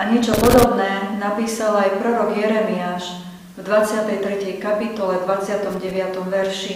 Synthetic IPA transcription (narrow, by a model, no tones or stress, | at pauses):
aɲɛt͡ʃɔpɔd̪ɔbnɛːnapiːsalajpɾɔɾɔɡjɛɾɛmiaːʃ | vd̪ʋat͡sɪat̪ɛjt̪ɾɛcɛjkapit̪ɔlɛvd̪ʋat͡sɪat̪ɔmɟɛʋɪat̪ɔmʋɛɾʃi